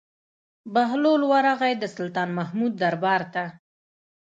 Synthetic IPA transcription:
baɦlolwaɾaɣajd̪əsʊlt̪ɑnmahmud̪̚ːaɾbɑɾt̪a

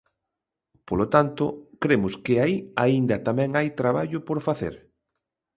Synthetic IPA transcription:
polot̪ant̪ʊ̰kɾemʊskɪaiaind̪ɐt̪amɛ̃ŋajt̪ɾaβaʎʊpoɾfaθḛɾ

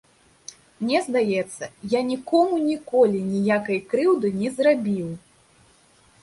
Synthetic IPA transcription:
mnʲɛzd̪ajɛt̪sːɐjanʲikɔmunʲikɔlʲinʲijakɐjkɾɨwd̪ɨnʲɛzrabʲiw

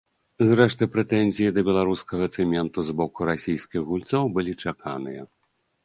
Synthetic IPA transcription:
zɾɛʂt̪ɨpɾɛt̪ɛnʲzʲijid̪ɐbʲɛlˠaɾuskɐɣɐːt̪sɨmʲɛnt̪uzbɔkuɾasʲijskʲiɣɣulʲt̪sɔwbɨlʲit͡ʂakʰa̰nɨjɐ

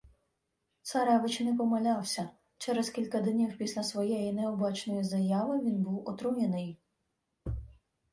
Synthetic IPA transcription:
t̪sɐɾɑʋɪt͡ʃnɛpɔmɐlʲɑwsʲɐ | t͡ʃɛɾɛskʲilʲkɐd̪nʲiwpʲisʲlʲɐsʋɔjɛjinɛɔbɑt͡ʃnɔjizɐjɑʋɪʋʲinbuwɔt̪ɾujʲenɪj

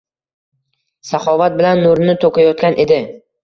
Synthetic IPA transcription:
saχɒvat̪̚bɪlanːoɾnɪt̪ʰokajɒt̪̚kʲanʔe̞d̪ɪ

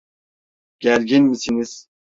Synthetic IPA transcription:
ɡ̥ælɡʲinmisiniz̥

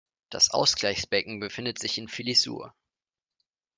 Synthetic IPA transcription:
d̥a̰sʔa̰ʊsɡ̥laɪçsb̥ɛkŋ̩bəfɪndətz̥ɪçɪnfilizṵːɐ̰

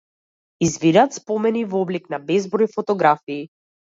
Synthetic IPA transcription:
izvid̪at̪spɔmɛnivɔbliknabɛzbɾɔjfɔt̪ɔɡɾafiː

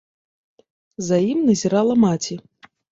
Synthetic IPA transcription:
zajimnɐzʲɛɾalˠɐmat͡sʲi

